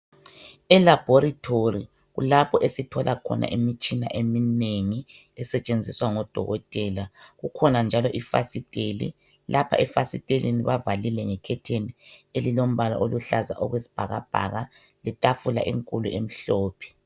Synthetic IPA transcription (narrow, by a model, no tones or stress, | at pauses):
ɛlab̥ʱoɾitʰori | ɣṵlapʰɔʔesitʰɔlʔakʰɔ̰na̰ʔimit͡ʃʼina̰ʔemineŋi | ɛsɛt͡ʃʼend͡zʱiswaŋɔd̥ʱɔ̰ɣɔtʼɛːlaɣukʰɔnand͡ʒʱalɔʔifa̰sitʼelḭ | lʔapʰa̰ɛfasitʼelḭniβavalilɛŋɛkʰɛtʰenielilom̩βala̰ʔoluɬaza̰ʔɔɣwesi̥b̥ʱaɣab̥ʱa̰ɣa | lɛtʼafula̰ʔḭŋkʼuluʔem̩ɬɔːpʰɛ̥